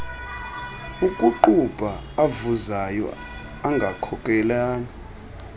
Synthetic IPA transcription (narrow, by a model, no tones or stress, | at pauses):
ukʼuǃub̥ʼʱaavuzajɔ̰ | aŋɡʱakʰɔkʼɛlaːna